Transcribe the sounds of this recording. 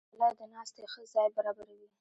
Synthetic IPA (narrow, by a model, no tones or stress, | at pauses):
lɑd̪ənɑst̪exəzɑjbaɾɑbaɾawi